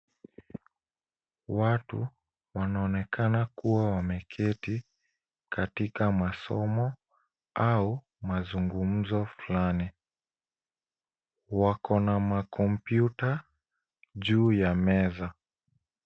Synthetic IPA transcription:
watṵ | wanaɔnɛkʰanakuwawamɛkʰɛti | katikamasɔmɔ | au | mazuŋɡum̩zɔflani | wakʰɔnamakʰɔmpjuta | ʄuːjamɛza

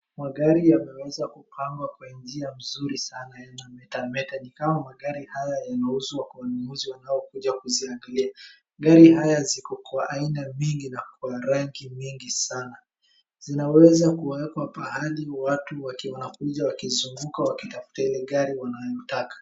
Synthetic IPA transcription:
maɠaɾijamɛwɛzakupʰaŋɡwakwand͡ʒiam̩zuɾisanajanamɛtamɛtanikamamaɠaɾihajajanauzuakawanumuziwanajɔkuʄakuziaŋɡalia | ɠaɾihajazikɔkwaʔainamiŋɡinakwaɾaŋkimiŋɡisana | zinawɛzakuwɛkwapahaliwatuwawanakuʄawakizuŋɡukawakitafu̥tailɛɠaɾiwanajɔtakḁ

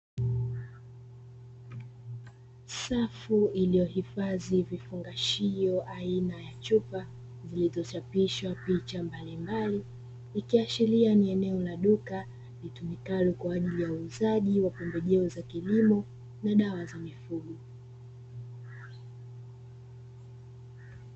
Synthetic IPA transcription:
safuilijɔhifazivifuŋɡaʃijɔʔainajat͡ʃupa | zilizɔt͡ʃapiʃwapit͡ʃambalimbali | ikiaʃilianiɛnɛɔlaɗuka | litumikalukwaːʄilijauːzaʄiwapɔmbɛʄɛɔzakilimɔ | naɗawazamifuɠu

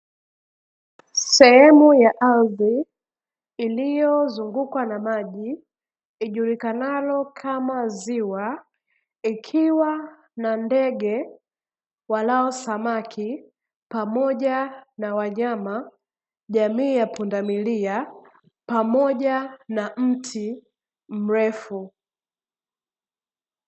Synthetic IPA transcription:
sɛhɛmujaʔalðiː | lijɔzuŋɡukwanamaʄi | iʄulikanalɔkʰamaziwa | ikʰiwa | nandɛɡɛ | walaɔsamakʰi | pamɔʄanawaɲama | ʄamiːjapundamilia | pamɔʄanam̩tʰi | m̩ɹɛfu

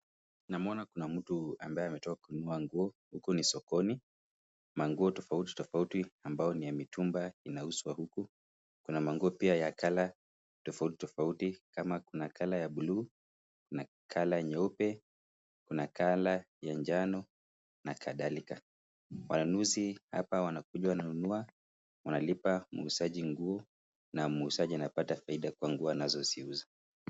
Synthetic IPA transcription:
namuɔnakunam̩tua̰mbaɛamɛtɔkakunuaŋɡuɔhukunisɔkɔni | maŋɡuɔtɔfauti̥tɔfautiambajɔnijamitumbainauswahuku | kunamaŋɡuɔpiajakala | tɔfauti̥tɔfautikamakunakʰalajaɓuluː | kuna | kʰalaɲɛɔpɛ | kunakala | jand͡ʒanɔ | nakʰaðalika | wanunuziha̰pawanak̚uʄwaananunua | wanalipamuusaʄiŋɡuɔ | namuusaʄianapatafaiɗakwaŋɡuɔanazɔsiuza

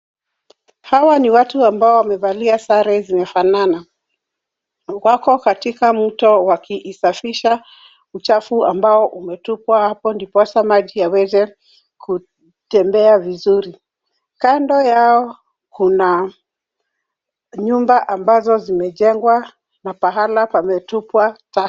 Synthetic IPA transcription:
hawaniwatuambaɔwamɛvaliasaɾɛzimɛfanana | kwakɔkatikam̩tɔwakiʔːsafiʃa | ut͡ʃafuambaɔʔumɛtupwahapɔndipɔsamaʄiawɛzɛ | kʰu | tɛmbɛavizuɾi | kandɔjaɔ | kuna | ɲumbaʔambazɔzimɛʄɛŋɡwa | napaɦalapamɛtupwata

